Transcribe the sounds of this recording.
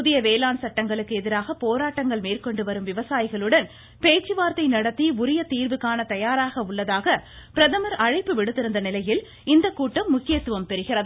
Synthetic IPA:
ðɪjɐʋeːlaːnsɐʈːɐŋɡɐɭɯkːɯɛðɪɾaːɣɐpoːɾaːʈːɐŋɡɐɭmeːrkɔɳɖɯʋɐɾɯmʋɪʋɐsaːjɪɣɐɭɯɽɐn | peːt͡ʃːɯʋaːɾt̪ɐɪnɐɽɐt̪ːiʊɾɪjɐt̪iːɾʋɯkːaːnɐt̪ɐjaːɾaːɣɐʊɭːɐðaːɣɐ | pɪɾɐðɐmɐɾɐɻɐɪpːɯʋɪɽɯt̪ːɪɾɯnd̪ɐnɪlɐjɪl | ɪnd̪ɐkːuːʈːɐmːʊkːɪjɐt̪ːɯʋɐmpɛɾɯɣɪrɐð

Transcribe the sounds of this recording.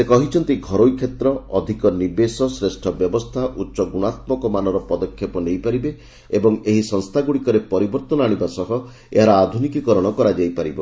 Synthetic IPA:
sekɔɦit͡ʃʰɔnt̪iɡʱɔɾojkʰːet̪ɾɔɔd̪ʱikɔnibesɔsɾesʈʰɔbjɔbɔst̪ʰaʔutːʃɔɡuɽ̃at̪̚mɔkɔmanɔɾɔpɔd̪ɔkʰjepɔnejpaɾibe | ebɔŋeɦisɔŋst̪ʰaɡuɽikɔɾepɔɾibɔɾt̪ɔnɔaɽ̃ibasɔɦɔ | ḛɦaɾɔad̪ʱunikikɔɾɔɽ̃ɔkɔɾad͡ʒajpaɾibɔ

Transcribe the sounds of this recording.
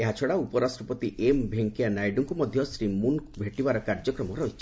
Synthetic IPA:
eɦat͡ʃʰɔɽaupɔɾasʈɾɔpɔt̪iʔembʱeŋkianajɖɔŋkumɔd̪ʱjɔsɾimunkbʱeʈibaɾɔkaɾd͡ʒɔkɾɔmɔɾɔɦit͡ʃʰ

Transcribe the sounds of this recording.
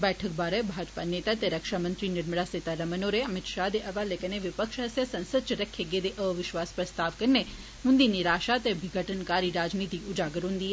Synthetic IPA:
bɛːʈʰək̚baːɾebʱaːd͡ʒpaneːt̪at̪eɾəkʃamə̃nt̪ɾinɪɾməɽaset̪aɾɐmənoːɾeɐmɪt̪ʃad̪eʔɐʋalekəneʋɪpəkʃɦɐsjəsɐ̃nsəd̪t͡ʃəɾəkʰːjeɡed̪eʔəːʋɪʃʋaːspɾɐst̪aːʋkəɾne | mʊ̃nd̪iniɾaːʃat̪ebʱɪɡʱəʈənkaːɾiɾaːd͡ʒnit̪iʊd͡ʒaːɡəɾũnd̪i

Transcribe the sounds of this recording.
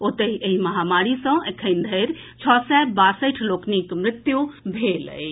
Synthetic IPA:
ot̪əeɦiməɦamaɾisə̃ekʰəjnd̪ʱəjɾ | t͡ʃʰɔsɛbasəɪʈʰloknikmɾɪt̪jubʱelə̰j

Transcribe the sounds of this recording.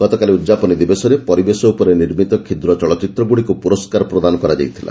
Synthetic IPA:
ɡ̥ɔt̪ɔkaliud̪d͡ʒapɔnid̪ibesɔɾepɔɾibesɔupɔɾeniɾmit̪ɔkʰid̪ɾɔt͡ʃɔɭɔt͡ʃit̪ɾɔɡuɽikupuɾɔskaɾɔpɾɔd̪anɔkɔɾad͡ʒa̰jt̪ʰila̰

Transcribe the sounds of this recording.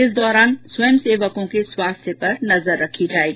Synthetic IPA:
ɪsd̪ɔːɾaːnswɐmseːʋəkõkeswaːst̪ʰjəpɐɾnɐzəɾːɐkʰid͡ʒaːeɡi

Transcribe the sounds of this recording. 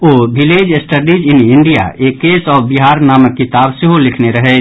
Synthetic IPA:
oːbʱɪleːd͡ʒesʈəɖid͡ʒɪnɪɳɖija̰ekːeːsɔːbiɦaːɾnaːməkːɪt̪aːbseɦolɪkʰneɾəɦɛ

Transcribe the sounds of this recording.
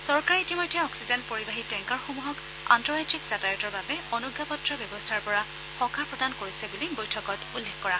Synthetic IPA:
sɔɹkaɹiitimojtʰjɛɔksizɛnpoɹibaɦitɛŋkaɹxomuɦɔk | a̰ntɔɹajtikz̥atajɔtɔɹbabɛɔnuɡʱːapɔtɹɔbjɔbɔstʰaɹpɔɹa | xɔ̃kʰapɹɔdankoɹisɛbulibojtʰɔkɔtulːekkɔɹa

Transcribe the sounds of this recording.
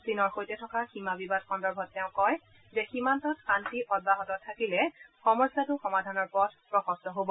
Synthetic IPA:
sinɔɹxojtɛtʰɔkaximabibadxɔndɔɹbʱɔtːɛʊ̃kɔj | zɛximantɔtxantiʔɔd̚baɦɔtɔtʰːakilɛxɔmɔɹsatʊxɔmadʱanɔɹpɔd̚ʰʱpɹɔxɔstɔɦobɔ

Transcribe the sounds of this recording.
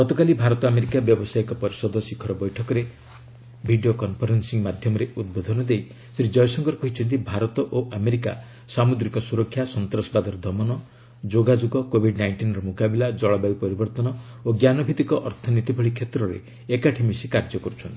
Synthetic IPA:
ɡ̥ɔt̪ɔkalibʱaɾɔt̪ɔameɾikabjɔbɔsajikɔpɔɾisɔd̪ʱɔsikʰɔɾɔbɔjʈʰɔkɔɾe | bʱiɖiokɔnpʰɔɾensiŋmad̪ʱjɔmɔɾeʔud̪̚bod̪ʱɔnɔd̪ej | sɾid͡ʒɔjɔsɔŋkɔɾkɔɦit͡ʃʰɔnt̪̬ibʱaɾɔt̪ɔʔoʔameɾika̰ | samud̪ɾikɔsuɾɔkʰːjasɔnt̪ɾɔsɔbad̪ʱɔɾɔd̪ʱɔmɔnɔ | d͡ʒoɡad͡ʒuɡɔkobʱiɖnajɳʈinɾɔmukabilad͡ʒɔɭɔbajpɔɾibɔɾt̪ɔnɔ | oɡjanɔbʱit̪ikɔʔɔɾt̪ʰɔnit̪ibʱɔɭikʰːet̪ɾɔɾḛ | ekaʈʰimisikaɾd͡ʒɔkɔɾut͡ʃʰɔnt̪ii̥

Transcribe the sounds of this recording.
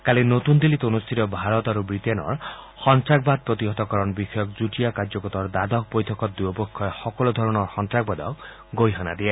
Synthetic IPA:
kalinot̪und̪ilːit̪unust̪ʰit̪ɔbʱaɾɔt̪aɾubɾit̪enɔ̰ɾ | xɔnt̪ɾaɡ̚bad̪̚pɾɔt̪iɦɔt̪ɔkɔɾɔnbixɔjɔk̚d͡zuʈijakaɾd͡ʒɔkɔt̪ɔɾd̪ad̪ɔk̚pojt̪ʰɔkɔt̪̚d̪ujɔpɔkʰːɔexɔkɔlud̪ʱɔɾɔñɔɾxɔnt̪ɾaɡ̚bad̪ɔk | ɡojɦɔna̰d̪ie

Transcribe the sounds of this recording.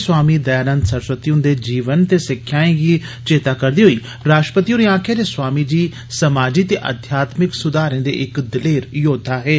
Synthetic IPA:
swaːmiːd̪əjaːnə̃nd̪səɾsət̪iʊ̃nd̪eːd͡ʒiːʋənt̪eːsɪkʰːjaːẽɡiː | t͡ʃeːt̪aːkəɾd̪iːɦoiː | ɾaːʃʈɾəpət̪iuɾiːãːkʰaːɾeːswaːmid͡ʒiː | səmaːd͡ʒit̪eːʔə̰d̪ʱjaːt̪mɪksʊd̪aːɾẽːd̪ḛːʔɪkd̪ɪleːɾjoːd̪ʱaːɦɛː

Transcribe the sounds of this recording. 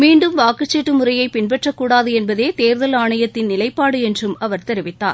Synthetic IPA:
miːɳɖɯmʋaːkɯt͡ʃːeʈːɯmʊrɐjɐɪpɪnbɛʈrɐkːuːɽaːðɯɛnbɐðeːt̪eːɾðɐlaːɳɐjɐt̪ːɪnnɪlɐɪpːaːɽɯɛndrɯmɐʋɐɾt̪ɛɾɪʋɪt̪ːa̰ːɾ

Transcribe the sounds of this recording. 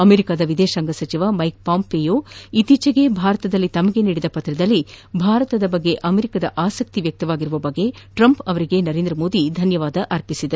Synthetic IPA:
ɐmeɾikaːd̪ɐʋid̪eːʃaːŋɡɐsɐt͡ʃiʋɐmɐjk̚paːmpejoːit̪it͡ʃɐɡe̞bʱaːɾɐt̪ɐd̪ɐlːit̪ɐmɐɡe̞niːɽid̪ɐpɐt̪ɾɐd̪ɐlːibʱaːɾɐt̪ɐd̪ɐbɐɡːe̞ʔɐmeɾikad̪ɐ̰ʔaːsɐk̚t̪iʋjɐk̚t̪ɐʋaːɡiɾuʋɐbɐɡːe̞ʈɾɐmpɐʋɐɾiɡe̞nɐɾe̞ːnd̪ɾɐmo̞ːd̪id̪ʱɐnjɐʋaːd̪ɐʔɐɾpisid̪ɐ

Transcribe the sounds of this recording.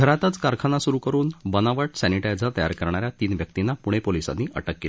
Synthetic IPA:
ɡʱəɾat̪ət͡skaɾkʰanasuɾukəɾuːnbənaʋəʈsæniʈajd͡zət̪əja̰ɾkəɾɳ̃aɾjat̪iːnʋjək̚t̪inːapuɽ̃epolisa̰nːiːʔə̰ʈəkːel

